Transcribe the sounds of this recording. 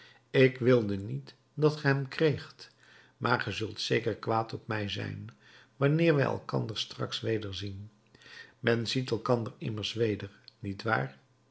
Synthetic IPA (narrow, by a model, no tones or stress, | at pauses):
ɪkʋɪlˠdənit | dɑtχəɦɛmkrejχt | mʔaːɹχəzɵlˠtsejkəɹkʋaːtɔpmɛjzɛ̰jn | ʋɑnɪːɹʋɛjɛ̰lˠkɑ̰ndəɹstrɑ̰ksʋejdəɹzin | mɛnzitɛlˠkɑndərɪməɹsʋejdəɹnitʋa̰ːɹ